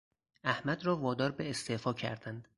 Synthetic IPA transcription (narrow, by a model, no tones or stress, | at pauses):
æhmæd̪ɾɒːvɒːd̪ɒːɾbeːst̪efɒːcʰæ̰ɾd̪ænd̪